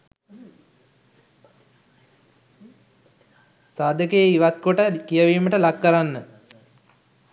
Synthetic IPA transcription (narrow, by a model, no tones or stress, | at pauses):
saːd̪əkeːiʋat̪̚koʈəkijəʋiːməʈəlakːəɾanːə